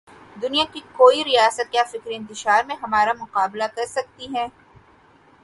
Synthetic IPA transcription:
d̪ʊnijakikoːiɾijaːsət̪̚kjaːfɪkɾɪ̃nt̪ɪʃaːɾmẽɦɐmaːɾamʊqaːblakɐɾsɐk̚t̪iɦɛ̃ː

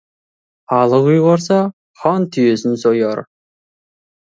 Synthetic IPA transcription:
ɑlˠəʁujʁoɾs̬ɑ | χɑnt̪ʰyjøsɪnsojoɾ

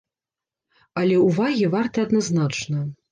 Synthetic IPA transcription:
ɐlʲɛuvaɣʲivart̪ɐɐd̪naznat͡ʂnɐ

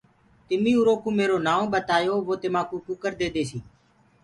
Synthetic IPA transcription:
t̪ɪmĩːuɾoːkũːmeːɾoːnaːõːɓət̪aːjoːʋoːt̪ɪmãːkũːkʊkəɾd̪eːd̪eːsiː

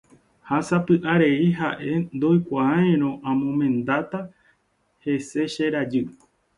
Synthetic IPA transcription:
hasapɨʔaɾe̞iɦaʔe̞nd̪o̞jkʷaãẽɾ̃õ̞ʔãmõmẽ̞nd̪at̪a | he̞se̞ʃeɾad͡ʒɨ

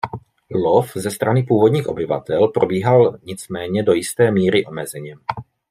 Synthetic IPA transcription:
lofzɛst̪ɾanɪpuːvo̞dɲiːxʔo̞bɪva̰t̪ɛlpɾo̞biːɦalɲɪt͡smɛːɲɛdo̞jɪst̪ɛːmiːɾɪʔo̞mɛzɛɲɛm

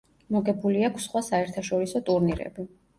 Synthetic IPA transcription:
mɔɡɛbuliakʰsχwasaɛɾt̪ʰaʃɔɾisɔt̪ʼuɾniɾɛ̰bi

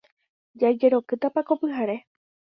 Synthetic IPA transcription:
d͡ʒad͡ʒe̞ɾo̞kɨt̪apakopɨɦaɾe̞

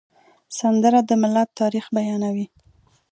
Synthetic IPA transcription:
sand̪əɾad̪əmɪlat̪ːɑɾixbajɑnawi

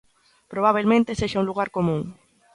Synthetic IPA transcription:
pɾoβ̞aβ̞elmẽnt̪eseʃaũluɣ̞aɾkomũŋ

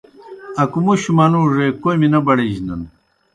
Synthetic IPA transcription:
ɐkumuɕumɐnuːʐekojminɐbɐɽeʑnɐ̰n

